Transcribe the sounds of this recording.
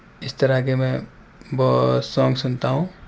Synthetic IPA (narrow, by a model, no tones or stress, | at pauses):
ɪst̪əɾakemɛ̃ | bɔsɔ̃ŋɡsunt̪aɦũ